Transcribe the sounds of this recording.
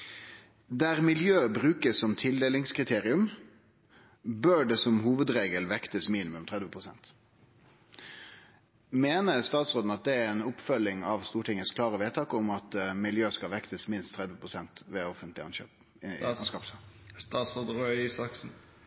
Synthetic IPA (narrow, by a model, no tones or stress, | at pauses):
d̪æʁmɪljøːbʁʉːkəsːɔmt̪ʰɪld̪eːlɪŋskʰʁɪt̪ʰeːʁɪʉm | bøɖɛsɔmhuːʋəd̪ɾeːɡəlʋɛkt̪əsmiːnɪmʉmt̪ʰʁɛd̪ʋəpʰʁʊsɛ̰nt̪ | meːnəst̪ɑːt̪sʁoːd̪n̩ɑt̪̚d̪ɛæɾɛnʊpfœlːɪŋɑʋst̪uːʈʰɪŋːəskʰlɑːʁəʋeːt̪ʰɑːkʊmɑt̪mɪljøːskɑʋɛkt̪əsmɪnst̪ʰːʁɛd̪ʋəpʰʁʊsɛnt̪ʋɛːɔfənt̪lɪɑnʃøːp | nskɑːpst̪ɑtsoːd̪ɾœsɑksn̩